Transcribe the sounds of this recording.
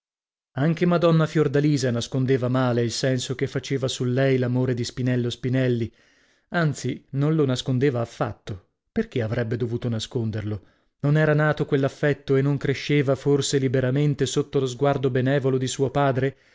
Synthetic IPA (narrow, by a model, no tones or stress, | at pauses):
aŋk̟emad̪ɔnːafjord̪aliːzanaskond̪eːvamaːleilsɛnsok̟efːat͡ʃeːvasulːɛjlamoːɾed̪ispinɛlːospinɛlːi | ant̪sinonlonaskond̪eːvaːfːa̰t̪ːo | perk̟eavɾʔɛbːed̪ovuːt̪onaskond̪erlo | nonɛːɾanaːt̪okwelːafːɛt̪ːoenːoŋkɾeʃːeːvaforselibeɾament̪esot̪ːolozɡward̪obenɛːvolod̪isuːopaːd̪ɾe